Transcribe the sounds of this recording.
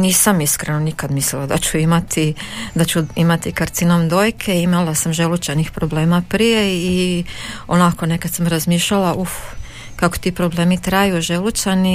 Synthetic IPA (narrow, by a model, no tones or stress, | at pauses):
niːsamiskɾenonikad̪mislilad̪a̰t͡ɕuimat̪ʰid̪at͡ɕuimat̪ikaɾt̪sinomd̪oːjkʰeimalasamʒelut͡ʃanixpɾoble̞ːmapɾije̞i | onakonekad̪samɾazmiːʃʎalaʔuf | kako̥t̪iːpɾo̞ble̞ːmit̪ɾajuʒelut͡ʃani